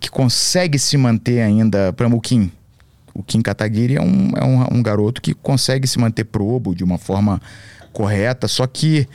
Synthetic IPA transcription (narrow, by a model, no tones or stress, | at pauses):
kɪ̥kõsɛɡɪsɪmɐ̃nt̪eɾaĩnd̪ɐpɾɐ̃mʊkĩ | ʊ̰kĩkat̪aɡiɾɪɛ̰ṵ̃ɛ̰ũṵ̃ɡaɾot̪ʊ̥kɪkõsɛɡɪsɪmɐ̃nt̪eɾpɾobʊd͡ʒɪũmɐfɔɾmɐkoɦɛt̪ɐsɔkʰɪ